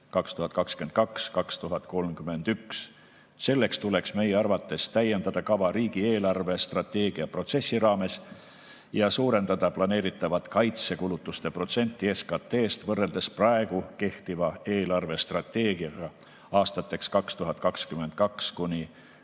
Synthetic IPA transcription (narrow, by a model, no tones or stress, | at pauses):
kɑkst̪uhɑt̪̚kɑkskye̞nt̪̚kɑkskɑkst̪uɦɑt̪ˑko̞lmkyme̞nd̪̥yks | se̞lːe̞kst̪ule̞ksme̞jeɑrvɑt̪ːˑe̞st̪æje̞nd̪ɑd̪̥ɑkɑvɑɾiːɡ̥ie̞ːlɑrve̞st̪rɑt̪e̞ːɡ̥iɑpro̞t̪se̞sːiɾɑːme̞s | jɑsuːɾe̞nd̪ɑd̪̥ɑplɑne̞ːɾit̪ːˑɑvɑt̪kɑjt̪se̞kulut̪ˑːust̪e̞pro̞t̪se̞nʲt̪ːˑieskɑt̪ːe̞ːst̪vɤrːe̞ld̪e̞sprɑeɡ̥uke̞ht̪ivɑe̞ːlɑrve̞st̪rɑt̪ːe̞ːɡiɑɡ̥ɑ | ɑːst̪ɑt̪ːˑe̞kskɑkst̪uɦɑt̪̚ˑkɑkskyme̞nt̪̚kɑkskunʲi